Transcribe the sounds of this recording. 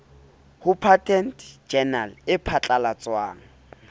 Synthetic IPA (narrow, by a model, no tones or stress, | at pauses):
hʊpʰatʰʼɛntʼd͡ʒɛnalɪpʰat͡ɬʼalat͡sʼwaːŋ̩